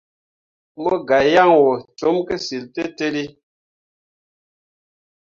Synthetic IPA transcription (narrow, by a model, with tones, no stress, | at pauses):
mo˦ɡa˨ja˦˨ŋwɔ˨t͡ʃo˨˦mke˦si˨lte˦te˦li˦